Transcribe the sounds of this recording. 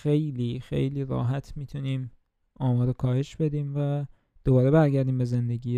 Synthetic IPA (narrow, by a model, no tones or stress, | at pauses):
xejliːxḛjliːɾɒ̰ːɦæt̪ʰmiːt̪ʰuniːm | ɒːmɒːɾokʰɒːhe̞ʃbe̞d̪iːmvæ | d̪̥obɒːɾebæɾɟæɾd̪iːmbe̞ze̞nd̪e̞ɟiː